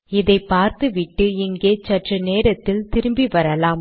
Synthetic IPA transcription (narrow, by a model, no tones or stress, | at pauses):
ɪðɐɪpːaːɾt̪ɯʋɪʈːɯɪŋɡeːt͡ʃɐʈrɯneːɾɐt̪ːɪlt̪ɪɾɯmbiʋɐɾɐlaːm